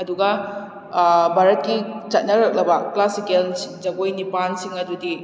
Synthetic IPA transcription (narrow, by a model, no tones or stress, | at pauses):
ɐduɡɐ | bʱaɾɐt̚kit͡ʃɐt̚nɐɾɐk̚lɐbɐklasikeld͡ʒɐɡojnipansiŋɐdudi